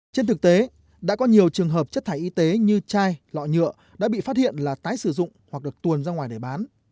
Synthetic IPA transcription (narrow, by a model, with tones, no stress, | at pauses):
t͡ɕe˧nt̪ʰɨ˨˩k̚t̪e˨˦ | ɗa̰ː˧˥kɔ˨˦ɲi˨˩əwt͡ɕɨ˨˩əŋɦəː˨˩p̚t͡ɕə˦˥t̚t̪ʰaː˧˩jʔi˨˧˦t̪e˨˦ɲɨ˧t͡ɕaː˧jlɔ̰˧˨jɲɨ̰˧˨ə | ɗa̰ː˧˥ɓḭ˧˨faː˦˥t̚hḭ˧˨ənlaː˨˩t̪aː˨˦jsɨ˧˩zʊ̰˧˨ŋ͡mhwa˨˩k̚ɗɨ˨˩ək̚t̪u˨˩ənzaː˧ŋwaː˨˩jɗe˧˩ɓaː˨˦n